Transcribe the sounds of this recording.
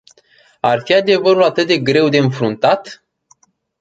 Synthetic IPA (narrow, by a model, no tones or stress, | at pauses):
arfiad̪e̞vəɾulat̪ɨt̪̚d̪e̞ɡɾe̞wd̪e̞ɨnfɾunt̪at̪